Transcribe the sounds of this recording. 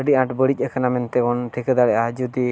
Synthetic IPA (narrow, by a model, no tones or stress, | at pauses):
əɖiãʈbəɽic̚ˀəkənamɛnt̪ɛɡɔnʈʰikəd̪aɽɛʔad͡ʒud̪i